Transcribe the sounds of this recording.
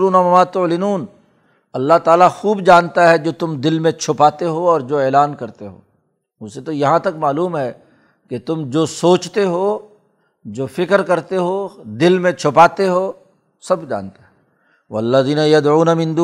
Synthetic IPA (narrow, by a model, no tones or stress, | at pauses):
ɾuːnɐmɐmaːt̪ʊlɪnuːn | ɐlːaɦt̪aːlaxuːbd͡ʒaːnt̪aɦɛd͡ʒoːt̪ʊmd̪ɪlmẽt͡ʃʰʊpaːt̪eɦoɔːɾd͡ʒoːɛːlaːnkɐɾt̪eɦo̰ː | ʊset̪ojɐɦãt̪ɐkmaːluːmɦɛ | ket̪ʊmd͡ʒoːsoːt͡ʃt̪eɦo | d͡ʒoːfɪkəɾkɐɾt̪eɦoːd̪ɪlmẽt͡ʃʰʊpaːt̪eɦoː | sɐbd͡ʒa̰ːnt̪aɦɛ | wɐlːɐðiːnɐjɐd̪ʕuːnɐmɪ̃nd̪uː